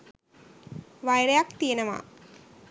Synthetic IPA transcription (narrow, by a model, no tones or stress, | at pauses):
ʋajɾejakt̪ijenəʋa̰